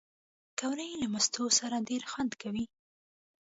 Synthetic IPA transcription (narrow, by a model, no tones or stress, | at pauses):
kawɾəjlamast̪osaɾaɖeɾxwand̪kawi